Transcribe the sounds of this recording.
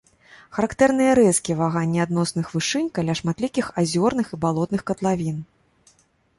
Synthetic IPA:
xɐɾakt̪ɛrnɨjɐɾɛskʲivaɣanʲːiad̪n̪ɔsnɨxvɨʂɨnʲkalʲaʂmat̪lʲikʲixazʲɔrnɨxibalˠɔt̪nɨxkɐt̪lˠavʲin

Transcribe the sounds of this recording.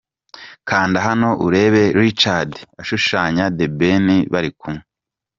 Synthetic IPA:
kʰaːndaɦano̞ʔuɾe̞ːβe̞ɾuɾit͡ʃadiaʃuʃaːɲadebeniβaɾikumŋe

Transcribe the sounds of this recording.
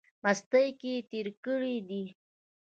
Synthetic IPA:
mast̪əjket̪eɾkəɽid̪i

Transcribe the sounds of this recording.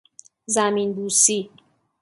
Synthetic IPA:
zaminbusi

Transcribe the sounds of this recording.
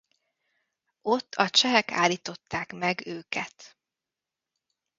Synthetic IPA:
o̞t̪ːɒt͡ʃɛɦɛka̰ːliːt̪o̞t̪ːaːkmɛɡøːkɛt̪

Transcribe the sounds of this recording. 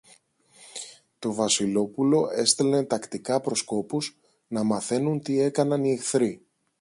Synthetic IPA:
t̪o̞vɐsilo̞pulo̞e̞st̪e̞let̪ɐkt̪ikɐpɾo̞sko̞puz | nɐmɐθe̞nunt̪ie̞kɐnɐniexθɾi

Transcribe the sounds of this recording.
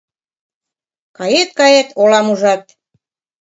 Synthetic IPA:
kɑjet̪̚kɑjet̪olɑmuʒɑt̪̚

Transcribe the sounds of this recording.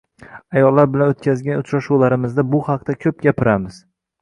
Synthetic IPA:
ajɒlːaɾbɪlanot̪̚kʲazɡʲanʊt͡ʃɾaʃuwlaɾɪmɪzd̪abʊhɑq̚t̪akʲʰɵp̚ɡʲapʰɪɾamɪz̥

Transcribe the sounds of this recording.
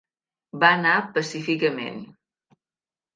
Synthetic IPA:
baənapəsifikəmḛn

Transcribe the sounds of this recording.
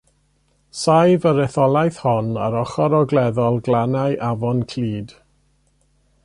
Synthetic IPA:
sajvəɾɛθɔlˠajθhɔna̰ɾɔχɔɾɔɡlˠɛðɔlˠɡlˠanajʔavɔnkʰliːd̥

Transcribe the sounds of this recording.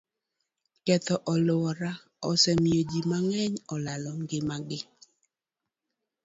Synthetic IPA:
kɛt̪ɔʔɔlʊwɔɾa | ɔsɛmjod͡ʒimaŋɛɲɔlalɔŋɡɪmaɡɪ

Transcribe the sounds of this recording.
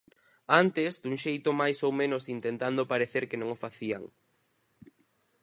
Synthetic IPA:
ant̪ɪzd̪uŋʃejt̪ʊmajsowmẽnosint̪ent̪and̪opaɾeθeɾkɪnõŋʊfaθia̰ŋ

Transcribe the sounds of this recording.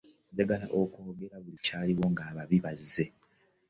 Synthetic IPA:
ɟaɡalaʔokoːɡe̞ɾaβulicaːliwo̞ŋɡaːβaβiβazːe̞

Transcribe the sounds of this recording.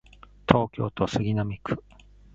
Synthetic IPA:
t̪ʰo̞ːkʲo̞̰ːt̪osɨɡʲinamʲikɯ̟̥

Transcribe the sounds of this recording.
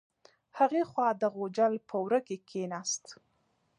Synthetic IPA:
haɣexwɑd̪əɣod͡ʒalpʰəwɾəkekʰenast̪

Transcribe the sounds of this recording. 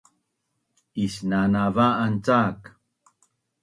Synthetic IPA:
isnanavaːnt͡sak

